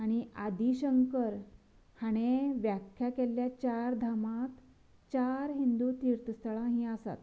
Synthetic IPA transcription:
aɽ̃iad̪ʱiɕəŋkəɾ | haɽ̃eʋjakʰːjakeljat͡ɕaɾd̪ʱamat̪ | t͡ɕaɾɦind̪ut̪iɾt̪əst̪əɭãɦĩasa̰t̪

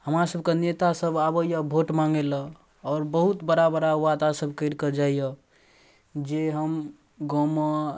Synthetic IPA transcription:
həmɾasəbʱkenet̪asəbabəjəbʱoʈmaŋɡelə | ɔːɾbəɦut̪bəɽabəɾawad̪asəbʱkəjɾkəd͡ʒaijə | d͡ʒeɦəm | ɡomə

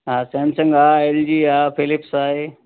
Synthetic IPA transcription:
ɦasɛ̃ːnsəŋɡaːeld͡ʑiːaːpʰɪlɪpsaːɦeː

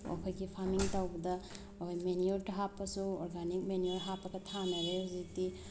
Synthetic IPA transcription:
o̰pʰɐjɡipʰaɾmiŋtawbɐdɐː | hojmeniuɾtɐɦapːɐsuoɾɡanik̚menioɾɦapːɐɡɐtʰanɐɾeuziti

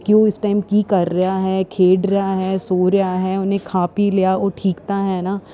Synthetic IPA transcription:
kiʋoːɪsʈaːɪmkikɐɾːɐɦaɦɛkʰeːɖɾɐɦaɦɛːsoːɾɐjaɦɛʊnɦẽkʰaːpilejaoːʈʰiːkt̪aɦɛnaː

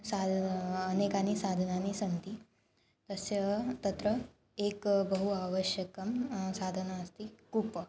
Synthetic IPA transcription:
sad̪ʱːnekanisad̪ʱənanisənt̪i | t̪əsjət̪ət̪ɾə | ekbəɦuaʋəɕjəkəmsad̪ʱənaəst̪ikupə

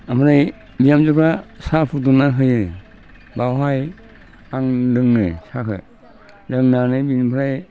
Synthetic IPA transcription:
amaɾaj | bijamd͡ʒɯpʰɾasapʰutunaɦɯjɯ | bawɦaj | aŋlɯŋnɯ̰sakɯ̰ | lɯŋnanɯbinpʰɾaj

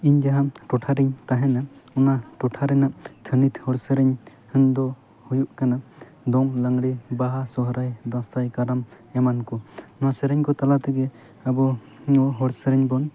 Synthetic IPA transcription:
iɲd͡ʒaɦamʈɔʈʰaɾɛɲt̪aɦɛnaɔnaʈɔʈʰaɾɛnaʔt̪ʰənit̪hɔɽsəɾɛɲhənd̪ɔ | hujuʔkana | d̪ɔŋlaŋɽibaɦasɔɦɾajd̪ãst̪ajkaɾam | ɛmankɔnɔasɛɾɛɲkɔt̪alat̪ɛɡɛ | abɔ | ɔɦɔɽsəɾɛɲbɔn

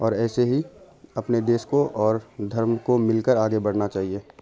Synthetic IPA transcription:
ɔːɾɛːseɦi | ɐpned̪eːʃkoʔɔːɾd̪ʱɐɾmkomɪlkəɾaːɡebɐɽnat͡ʃaːɦieː

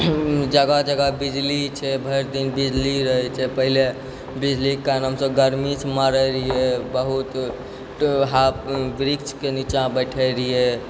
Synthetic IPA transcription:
d͡ʒəɡad͡ʒəɡabid͡ʒlit͡ʃʰɛbʱəjɾd̪inbid͡ʒliɾəɦɛt͡ʃʰɛpəɦile | bid͡ʒlikanɦəmsəbɡəɾmismaɾəɾiebəɦut̪ | ɦapʋɾikt͡ʃʰkenit͡ʃãbəʈʰəɾie

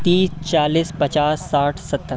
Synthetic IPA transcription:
t̪iːst͡ʃaːliːspɐt͡ʃaːsːaːʈʰsɐt̪ːəɾ

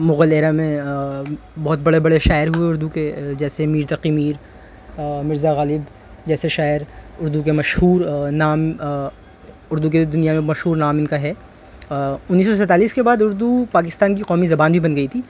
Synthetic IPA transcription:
mʊɣəleːɾamẽ | bɔɦʊt̪̚bɐɽebɐɽeʃaːɪɾɦueʊɾd̪uked͡ʒɛːsemiːɾt̪ɐqimiːɾ | mɪɾzaɣaːlɪb | d͡ʒɛːseʃaːɪəɾʊɾd̪uk̬emɐʃɦuːɾnaːm | ʊɾd̪uk̬ed̪ʊnijamẽmɐʃɦuːɾnaːmɪnkaɦɛː | ʊnːiːsːɔs̬ɛt̪aːliːskebaːd̪ʊɾd̪upaːk̬ɪst̪aːnkiqɔːmizɐbaːnbʱibɐnɡɐit̪ʰiː

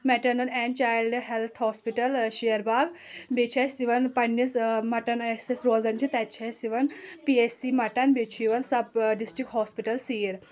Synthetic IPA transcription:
mɛʈɐɾnɐlɛnt͡ʃaːjlɖɦelt̪ʰɦɔːspiʈɐlʃijɐɾbaːɡ | bet͡ʃʰasiʋɐnpɐnːjismɐʈɐnesesɾoːzɐnt͡ʃʰit̪ɛt̪t͡ʃʰasiʋɐnpiesimɐʈɐnbet͡ʃʰiʋɐnsɐbɖisʈɾik̚ʈɦɔːspiʈɐlsiːɾ

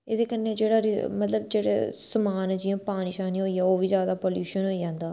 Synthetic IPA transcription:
eːd̪eːkənːeːd͡ʒeːɽaːɾɪmət̪ləb̚d͡ʒeːɽḛːsəmaːnd͡ʒijãːpaːnɪʃaːniːɦoːiːaːoːʋiːzjaːd̪aːpoːljuːʃənɦoːid͡ʒãːnd̪aː

